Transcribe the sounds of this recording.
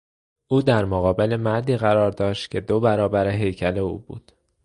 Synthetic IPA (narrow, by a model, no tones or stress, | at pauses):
ʔuːd̪æɾmoɣɒːbe̞le̞mæɾd̪iːɣæɾɒːɾd̪ɒːʃt̪cʲʰe̞d̪obæɾɒːbæɾeɦe̞jcʰæle̞ṵːbṵːd̪̥